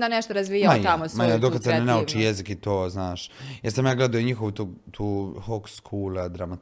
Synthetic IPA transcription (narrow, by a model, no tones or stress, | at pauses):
d̪aneʃt̪oɾazʋiːjaaj̪amosmajd̪okad̪sennenaut͡ʃijezikit̪oːznaːʃjeɾsamjaːɡled̪ajoɲixoʋt̪oɡt̪ʰuːhokskʰuːlad̪ɾamat̪